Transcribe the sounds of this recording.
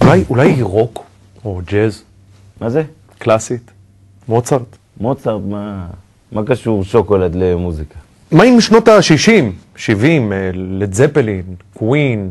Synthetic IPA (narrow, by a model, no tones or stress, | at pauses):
ulajʔulajiʁo̞k | od͡ʒez | maze | klasit̪ | mot͡saʁt̪ | mot͡saʁt̪ma | makaʃuʁʃokolad̪lemuzika | maimʃno̞t̪aʃiʃim | ʃivimled͡zepelinkwin